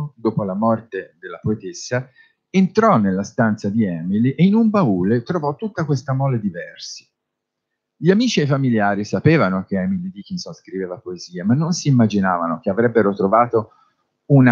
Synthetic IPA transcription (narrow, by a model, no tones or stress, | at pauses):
d̪oːpolamɔrt̪ed̪elːapoet̪esːa | ent̪ɾɔnːelːast̪ant̪sad̪iɛːmiliʔeinumbauːlet̪ɾovɔt̪ːut̪ːakwest̪amɔlad̪ivɛrsi̥ | ʎiamiːt͡ʃiajfamiljaːɾisapeːvanok̟eɛmilid̪ik̟insɔnskɾiveːvapoeziːamanːonsiːmːad͡ʒinaːvanok̟eavɾɛbːeɾot̪ɾovaːt̪o | una